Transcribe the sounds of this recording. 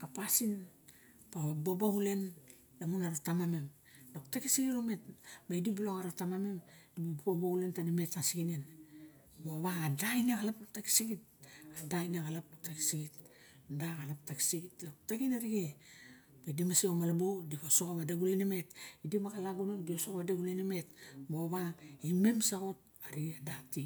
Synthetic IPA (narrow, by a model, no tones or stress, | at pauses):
kapasin | paβabobaɡule̞n | damunaɾatamamem | doktakisiɡiɾome̞t̚baidibuloŋaɾatamame̞mdibabbabaule̞ntanimetasiɡinen | boβaɡadaineɡalapataki̥siɡit̚ | adajnaɡalap̚dok̚taki̥siɡit | daɣalap̚taki̥siɡitlok̚takinaɾiɡe | baidimasiomalabo̞dipasokaβadaɡulanime̞tidimakalaɡunodiosokaβadaɡulenime̞tboβaime̞msaɡo̞t̚ | aɾiadati